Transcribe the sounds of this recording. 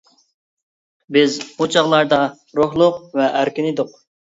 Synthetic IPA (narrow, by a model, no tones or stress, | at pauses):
bɪzut͡ʃʰɑʁlˠɑɾd̪ɑ | ɾʊhlˠʊqvɛʔæɾkʲinɪd̪ʊq